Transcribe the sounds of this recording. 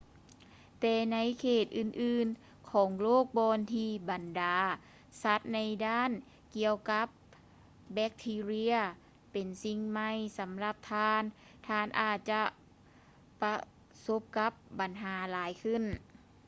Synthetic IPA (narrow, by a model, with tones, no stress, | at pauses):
t̪ɛː˧˩na˧˥jkʰeː˧˩t̪̚ʔɯː˧˩nʔɯː˧n | kʰɔː˩˦ŋloː˥˩k̚bɔː˧nt̪ʰiː˧ba˨ndaː˨ | sa˧˦˥t̪̚na˧˥jdaː˥˩˨n | ki˧əwka˧˦˥p̚ | bɛ˧˥k̚t̪ʰiː˧ɾi˧ɐ | pe˨˩nsi˧ŋma˧jsa˨˦mla˧p̚t̪ʰaː˧n | t̪ʰaː˧˩nʔaː˧˩t̪̚t͡ɕa˧˦ | pa˧ | so˧˦˥p̚ka˧˦˥p̚ba˨˩nɦaː˩˦laː˨˦jkʰɯ˧˥˩n